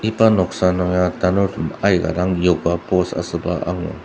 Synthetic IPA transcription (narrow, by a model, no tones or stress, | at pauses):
ipanɔksanɔjadanɔɾumajɡa̰ɾaŋjɔɡapɔsa̰sɯbaʔa̰ŋɔ̰